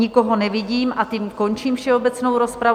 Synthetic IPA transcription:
ɪko̞ɦonɛvɪɟiːmat̪imko̞nt͡ʃiːmfʃɛobɛt͡snowɾospɾa

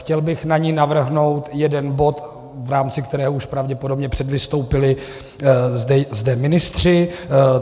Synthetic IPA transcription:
xcɛlbɪxnaɲinavr̩ɦno̞wt̪jɛdɛnbo̞t̪ | vɾaːmt͡sɪkt̪ɛɾɛːɦouʃpɾavɟɛpodo̞bɲɛpr̥ɛdvɪst̪o̞wpɪlɪ | zdɛzdɛmɪnɪst̪r̝̥ɪ

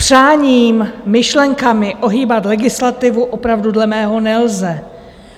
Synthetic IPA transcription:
pr̝̥aːɲiːmːɪʃlɛŋkamɪʔo̞ɦiːbat̪lɛɡɪslat̪ɪvuʔopɾavdudlɛmɛːɦo̞nɛlzɛ

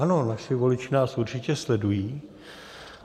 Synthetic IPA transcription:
ano̞naʃɪvo̞lɪt͡ʃɪnaːsʔuɾt͡ʃɪcɛslɛdujiː

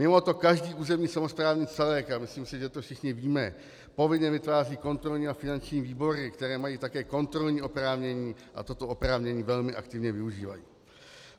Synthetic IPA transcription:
mɪmo̞t̪o̞kaʒdiːʔuːzɛmɲiːsamospɾaːvɲit͡sɛlɛːkamɪsliːmsɪʒɛt̪o̞fʃɪxɲɪviːmɛ | po̞vɪɲɛvɪt̪vaːriːko̞nt̪ɾo̞lɲiːafɪnant͡ʃɲiːviːbo̞ɾɪkt̪ɛɾɛːmajiːt̪akɛːko̞nt̪ɾo̞lɲiːo̞pɾaːvɲɛɲiːʔa̰t̪o̞t̪o̞opɾaːvɲɛɲiːvɛlmɪʔa̰k̚t̪ɪvɲɛvɪuʒiːva̰jḭː

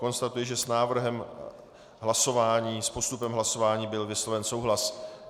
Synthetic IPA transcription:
ko̞nst̪at̪ujɛʒɛsnaːvr̩ɦɛm | ɦlaso̞vaːɲiːspo̞st̪upɛmɦlaso̞vaːɲiːbɪlvɪslo̞vɛnsowɦlas

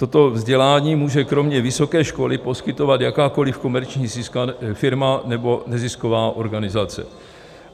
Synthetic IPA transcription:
t̪o̞t̪o̞vzɟɛlaːɲiːmuːʒɛkɾo̞mɲɛvɪso̞kɛːʃko̞lɪpo̞skɪt̪o̞vat̪jakaːko̞lɪfko̞mɛɾt͡ʃɲiːzɪskafɪɾmanɛbo̞nɛzɪsko̞vaːʔo̞ɾɡanɪzat͡sɛ̰

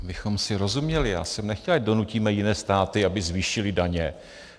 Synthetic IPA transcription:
bɪxo̞msɪɾo̞zumɲɛlɪja̰ːsɛmnɛxcɛlado̞nucimɛjɪnɛːst̪aːt̪ɪabɪzviːʃɪlɪdaɲɛ

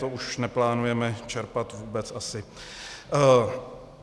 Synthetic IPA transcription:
t̪ouʃnɛplaːnujɛmɛt͡ʃɛɾpat̪vuːbɛt͡sasɪ

